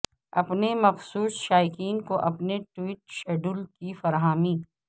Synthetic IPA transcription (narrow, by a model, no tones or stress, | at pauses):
ɐpnemɐfsuːsʃaːjɪkiːnkoʔɐpneʈwiːʈ̚ʃɛːɖulkifɐɾɦaːmiː